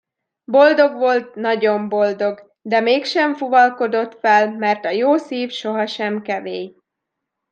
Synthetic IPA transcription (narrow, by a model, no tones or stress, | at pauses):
bo̞ld̪o̞ɡʋo̞lt̪̚nɒɟo̞mbo̞ld̪o̞ɡ | d̪ɛmeːkʃɛɱfuvɒlko̞d̪o̞t̪fɛlmɛrt̪ɒjoːsiːfʃo̞ɦɒʃɛmkɛveːj